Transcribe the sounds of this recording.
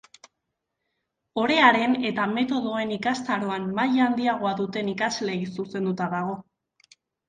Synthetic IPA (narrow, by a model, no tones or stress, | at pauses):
o̞ɾe̞aɾe̞ne̞t̪ame̞t̪o̞ðo̞e̞nikast̪aɾo̞amːajand̪iaɣ̞o̞aðut̪e̞nikazle̞ɣisuse̞nd̪ut̪aðaɣ̞o̞